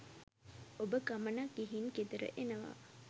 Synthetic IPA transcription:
obəkamənakːiɦinked̪əɾə̰ʔenəʋa̰

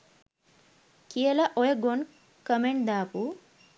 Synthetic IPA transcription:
kielaʔɔjɐɡon | kəmeɳʈd̪aːpu

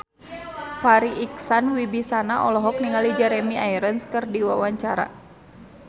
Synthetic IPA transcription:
faɾiʔːksanwibisanaʔɔlɔɦɔk̚niŋalid͡ʒɛɾɛmiajɾənskɨrdiwawaɲt͡ʃaɾa̰

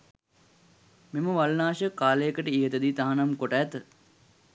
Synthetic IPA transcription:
meməʋalnaːʃəkaːləjəkəʈəiɦət̪əd̪iːt̪aɦanamkoʈəːt̪ə

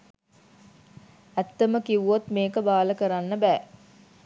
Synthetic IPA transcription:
æt̪ːeməkiʋuʋot̪meːkəbaːləkəɾanːəbɛː

